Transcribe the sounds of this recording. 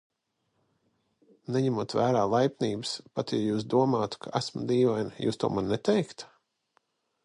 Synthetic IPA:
nɛɲɛmut̪væːɾaːlˠajpʲniːbɨspat̪jajuːs̬d̪uɔmaːt̪u̥kʰa̰ʔæsmd̪iːvajnjṵːst̪ṵɔmanːɛt̪ɛjkt̪

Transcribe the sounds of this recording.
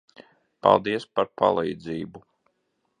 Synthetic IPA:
pa̰lˠd̪iɛspaɾpʰa̰lˠijd̪ziːbu

